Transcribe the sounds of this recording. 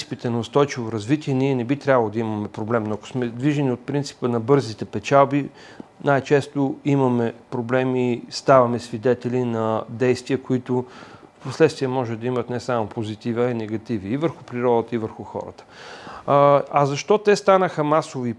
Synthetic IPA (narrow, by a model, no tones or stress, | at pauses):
si̥pit̪ɛnɐʊst̪ɔjt͡ʃivoɾɐzvit̪iɛniɛnɛbit̪ɾʲjabɐlˠod̪ɐiməmɛpɾoblɛmnoɐkʊ̥smɛd̪viʒɛniot̪̚pɾint̪si̥pənɐbɤɾzit̪ɛpɛt͡ʃalˠbi | najt͡ʃɛst̪ʊimɐmɛpɾoblɛmist̪avɐmɛsvid̪ɛt̪ɛlʲinɐd̪ɛjst̪viɐkʊit̪ʊfposlɛt̪st̪viəmɔʒɛd̪ɐimət̪nɛsamopozit̪ivəɛnɛɡɐt̪iviːvəɾxupɾiɾɔd̪ət̪əivəɾxuxɔ̰ɾə̰t̪ə̥ | ɐzɐʃt̪ɔt̪ɛst̪anəxəmasovi